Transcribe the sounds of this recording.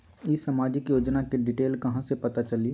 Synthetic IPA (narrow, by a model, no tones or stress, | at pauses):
ɪsamaːd͡ʒɪkjoːd͡ʒnakiɖɪʈeːlkɐɦãsepɐt̪at͡ʃɐli